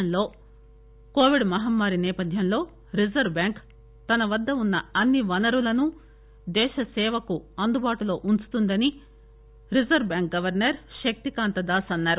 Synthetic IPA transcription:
ɐnlo̞ː | ko̞ːʋiɖmɐɦɐmːaːɾinɛːpɐd̪ʱjɐnlo̞ː | ɾizɐɾbjaːŋk | t̪ɐnɐʋɐd̪ːɐunːɐɐnːiʋɐnɐɾulɐnu | d̪ɛːʃɐsɛːʋɐkuɐnd̪ubaːʈulo̞ːʔunt͡ʃu̥t̪und̪ɐni | ɾizɐɾbjaːŋk̚ɡɐʋɐɾnɐɾʃɐk̚t̪ikaːnt̪ɐd̪aːsɐnːaːɾu

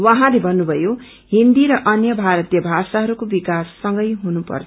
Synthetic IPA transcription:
waɦãlebʱʌnːubʱʌjo | ɦind̪iɾʌʔʌnjʌbʱaɾʌt̪jʌbʱasaɦʌɾukobikasːʌŋɡʌjɦunupʌ̰rt͡sʰʌ

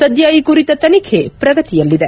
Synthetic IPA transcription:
sɐd̪ʱjaːjikuɾit̪ɐt̪ɐnikʰepɾɐɡɐt̪ijɐlːid̪e

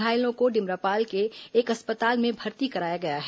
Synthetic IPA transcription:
aːɪlõkoɖɪmɾaːpaːlkeːkɐspət̪aːlmẽbʱɐɾt̪ikɐɾaːjaɡɐjaɦɛː

